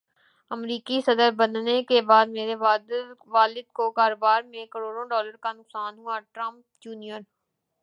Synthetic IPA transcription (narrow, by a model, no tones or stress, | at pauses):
əmɾiːkisəd̪əɾbənnekebaːd̪meːɾebaːd̪ʋaːlɪd̪̚kokaːɾoːbaːɾmẽkəɾoːɽõɖɔːləɾkanʊksaːnɦuaʈɾə̃mp̚ | d͡ʒuːnijəɾ